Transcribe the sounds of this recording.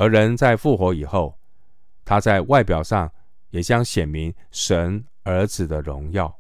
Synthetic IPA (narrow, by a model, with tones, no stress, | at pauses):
ə˧˥ɻə˧˦˥nt͡sa˥˧ɪfu˥˩xwɔ˧˥i˨˩xo˥˩ʊ | t̪ʰa˥t͡sa˥˧ɪwa˥˩ɪpjɑ˨˩ʊʂɑ˥˩ŋ | jɛ˨˩t͡ɕjɑ˥ŋɕjɛ˨˩nmi˧˥ŋ | ʂə˧˥n | ə˞˧˥d͡zɹ̩˨d̪ə˦ɻʊ˧˥ŋjɑ˥˩ʊ